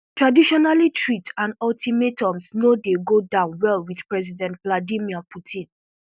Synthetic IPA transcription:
tɹadiʃɔnalitʰɹitãnɔltʰimetʰɔ̃msnodeɡodãʊ̃nwɛlwið̥pɹɛzidɛ̃ntvladimiɔpʰutʰĩn

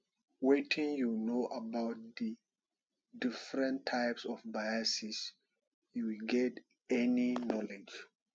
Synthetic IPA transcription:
wetʰĩŋjunoʔabaʊt̚di | difɹɛ̃ntʰːaɪpsɔfbajasis | juwilɡɛt | ɛninɔled͡ʒ

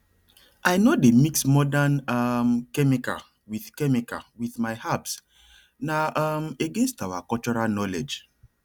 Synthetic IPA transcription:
ʔajnodemiksmɔdanamkɛmika̰ | wiθkɛmika̰wiθmajhaps | naameɡẽnstawa̰kɔlt͡ʃɔɹalnɔlḛd͡ʒ

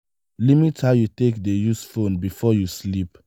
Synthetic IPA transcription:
limithaʊjutekdejusfõnbifɔjuslip̚

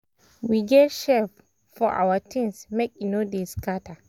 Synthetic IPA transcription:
wiɡɛtʃɛf | fɔʔa̰watʰĩnsmɛk̚inodeskata

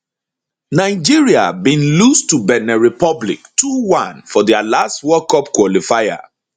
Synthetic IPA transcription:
naɪd͡ʒiɹia̰bĩnlustubɛnɛɹipɔblḭktʰuwãnfɔdialastwɔkɔpkwɔlifaɪa̰

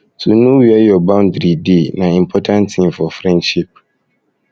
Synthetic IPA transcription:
tʰũnũwɛjɔbãʊ̃ndɾidenãĩm̩pʰɔtʰãntʰĩmfɔfɾɛ̃nʃip̚

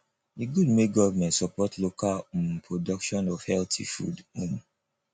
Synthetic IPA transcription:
diɡudmeɡɔvamɛ̃ntsɔpɔtlokalmpʰɹodɔkʃɔ̃nɔv̥hɛltʰḭfṵdũm

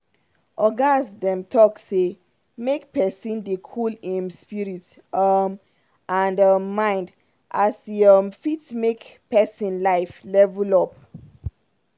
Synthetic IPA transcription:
ʔɔɡãnsdɛ̃mtʰɔkse | mek̚pɛsĩndekʰulĩnspiɹit | ɔm | ãndɔːãɪ̃nd | ʔasɔmfitmekpɛsĩnlaɪflɛvulɔp̚

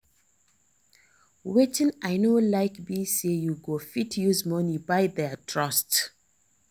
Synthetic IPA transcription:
wetɪ̃naɪnolaɪkbisejuɡofitʰjuzmʌnibaɪðɛtʰɹʌst

